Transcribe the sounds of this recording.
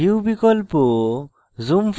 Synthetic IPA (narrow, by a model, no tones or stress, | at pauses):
iwbikɔlpɔ | zumpʰ